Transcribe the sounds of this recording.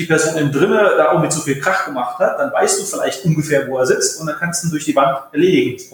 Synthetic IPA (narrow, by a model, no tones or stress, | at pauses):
d̥iːpɛɐzoːnɪndʁɪnəd̥aːʔʊɡŋ̩mɪtz̥ofiːlkʁ̥aχɡ̥əmaχthat̚d̥anvaɪstd̥uːfɪlaɪçtʔʊnɡəfeːɐvoːeːɐzɪt͡stʊntd̥ankʰanstd̥uːdʊɐçd̥iːvantɛɐleːdɪɡŋ̩